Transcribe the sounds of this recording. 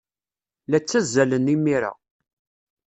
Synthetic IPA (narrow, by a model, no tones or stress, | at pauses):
læt͡sːæzːælənimːiɾa̰